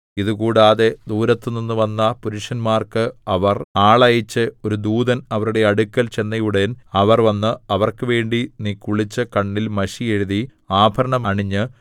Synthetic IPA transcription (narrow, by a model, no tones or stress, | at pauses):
iðɨkuːɽaːðed̪uːɾɐt̪ːɨninːɨʋɐnːɐpuɾuʂɐnmaːrkɨɐʋɐraːɭɐjɐt͡ɕːɨo̞ɾud̪uːðɐnɐʋɐɾuɽe̞ɐɽukːɐlt͡ɕe̞nːɐjuɽenɐʋɐrʋɐnːɨɐʋɐrkɨʋe̞ːɳɖinikːuɭit͡ɕːɨkɐɳːilmɐɕijeɻuði | aːbʱɐɾɐɳɐmɳiɲːɨ